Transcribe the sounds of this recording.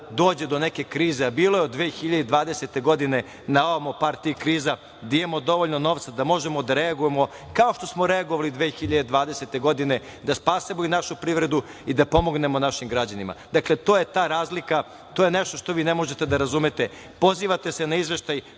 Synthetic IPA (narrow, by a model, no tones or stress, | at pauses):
d̪oːd͡ʑed̪o̞neke̞kɾiːzeabiːlojeod̪ːʋeːxiʎad̪ed̪ʋaːd̪eset̪e̞ɡo̞d̪ine̞ | naomopaɾt̪iikɾiːza | d̪aid̪emo̞d̪o̞ʋo̞ʎnono̞ːʋt̪sad̪amo̞ʒemo̞d̪aɾeaɡujemo̞ | kao̞ʃt̪o̞smoɾeaɡoʋalid̪ʋexiʎad̪ed̪ʋaːd̪eset̪e̞ɡo̞d̪ine̞ | d̪aspaːsemoinaʃupɾiʋɾe̞d̪uid̪apo̞mo̞ɡne̞mo̞naʃimɡɾad͡ʑanima̰d̪akle̞t̪o̞ːje̞t̪aːɾaːzlika | t̪oːjeneʃt̪oʃt̪o̞ʋiːnemo̞ʒet̪e̞d̪aɾazumet̪e | po̞ziːʋat̪e̞se̞naizʋe̞ʃt̪aj